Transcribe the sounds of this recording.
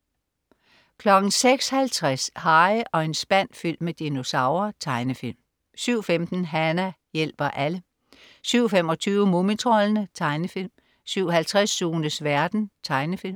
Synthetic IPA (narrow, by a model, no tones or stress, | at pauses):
kʰlɒ̽ɡ̥n̩seɡ̥shælt͡sʰʁashɑ̈ɪʔɒ̽e̝nsb̥æn̰fyl̰mːed̥ino̝sɑ̈ʊ̰ɐt͡sʰɑ̈ɪnəfil̰m | syʊ̰femd̥n̩ɦænæ | jel̰b̥ɐʔælə | syʊ̰femɒ̽t͡sʰyːʊəmo̝mit͡sʰʁɔlnət͡sʰɑ̈ɪnəfil̰m | syʊ̰ɦælt͡sʰʁasːuːnəsʋæɐd̥n̩t͡sʰɑ̈ɪnəfilm